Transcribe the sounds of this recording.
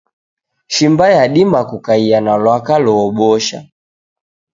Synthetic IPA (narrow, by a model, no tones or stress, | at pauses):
ʃimbajaɗimakukaijanalwakalɔːɓɔʃa̰